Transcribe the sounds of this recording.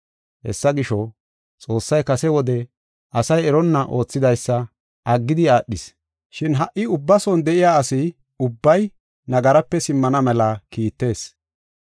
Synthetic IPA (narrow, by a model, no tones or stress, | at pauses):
hɛ̰sːɐɡɪʃɔ | t͡sʼo̞ːsːɐjkɐsɛwɔd̪ɛ | ɐsɐjɛɾɔnːɐʔo̞ːt͡sːɪd̪ɐjsːɐ | ʔɐɡːɪd̪ɪaːɗːɪs | ʃɪnɦɐʔɪʊbːɐsɔnd̪ɛʔɪjaːɐsɪ | ʊbːɐj | nɐɡɐɾɐpːɛsɪmːɐnɐmɛlɐkiːt̪ːe̞ːs